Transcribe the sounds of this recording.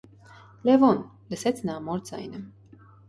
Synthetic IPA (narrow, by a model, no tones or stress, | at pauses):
lɛvɔn | ləsɛt͡sʰnɑmɔɾd͡zɑ̰jnə